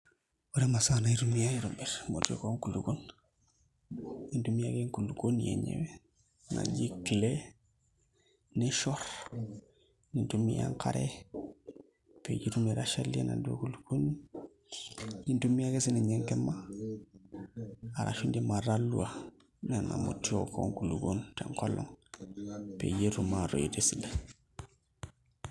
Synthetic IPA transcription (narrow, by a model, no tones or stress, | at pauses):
wuɾemasanaiɾumijaiɾombiɾmo̰to̰koŋkulukon | nintumiaɡeŋkulukonjḛɲḛwe | na̰ɲɟikile | neʃoɾ | nintumḭja̰ŋka̰ɾḛ | pḛɟiɾumiɾaʃalienaduo̰kuluɡun | nintumijakesinaɲeŋkema | aɾʔa̰ʃundimaɾalːua | nena̰mṵtio̰ko̰ŋkuluɡontḛŋkolːo̰ŋ | pḛɟeɾumaɾoidesila